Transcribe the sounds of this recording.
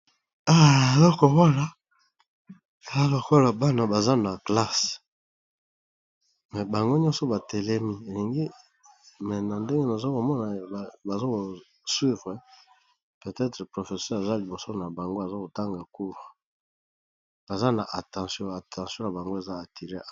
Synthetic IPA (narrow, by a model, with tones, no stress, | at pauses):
a˦e˨lo˦ko˨wa˦la˨ | e˨za˦ko˨ko˦la˨ba˦na˨ba˨za˦na˨kla˦s | mɛ˨ba˨ŋɡo˦ɲɔ̃˦so˦ba˨tɛ˨lɛ˦mi˦e˨li˨ŋɡi˦ | mɛ˨na˨nde˦ŋɡe˦na˨zo˦ko˨mɔ˦na˨ba˨zo˦ko˨ | swi˦vʁe˨ | pe˨tɛ˦tʁɛ˨pʁo˨fe˨sɛ˦ʁe˨za˦li˨bo˨so˦na˨ba˨ŋɡo˦a˨za˦ko˨ta˦ŋɡa˨ku˦ʁ | b̥a˨za˦na˨ʔa˨tɑ̃˨sjɔ̃˦a˨tʰɑ̃˨sjɔ̃˦na˨ba˨ŋɡo˦e˨za˦a˨tʰi˨ʁe˦˨